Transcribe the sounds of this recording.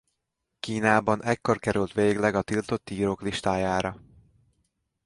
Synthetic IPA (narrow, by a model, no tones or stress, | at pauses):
kiːnaːbɒnɛkːo̞rkɛɾylt̪ʋeːɡlɛɡɒt̪ilt̪o̞t̪ːiːɾokliʃt̪aːjaːɾɒ